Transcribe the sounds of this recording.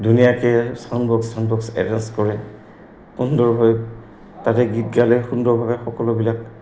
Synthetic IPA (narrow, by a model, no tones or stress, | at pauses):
dunijakɛsanbʱɔksanbɔksɛ̰ɹanskɔɹɛ | xundɔɹɦɔj | tatɛɡit̚ɡalɛɹxundɔɹbʱabɛxɔkɔlʊbilak